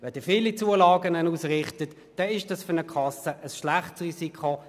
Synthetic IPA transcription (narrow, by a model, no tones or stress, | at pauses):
vɛd̥ɪːfiːlit͡suəlɑːɡənənuːsʁɪχtət | d̥ɛɪʃd̥ɑsfʏnəkʰɑsəʔəsʃlaχtsʁiːsikʰo